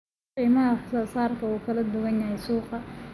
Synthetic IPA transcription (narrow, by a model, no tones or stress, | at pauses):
iːmɐɦɐsaːsaːrkʰɐuːkʰɐlɐd̪ʊɣɐnjaɦɛjsuːqɑ